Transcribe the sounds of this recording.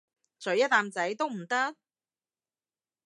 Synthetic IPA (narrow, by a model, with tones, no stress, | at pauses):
t͡sɵ˨˥ɥjɐ˥t̪̚aː˧mt͡sɐ˨˥jt̪o˥wm̩˨˩t̪ɐ˥k̚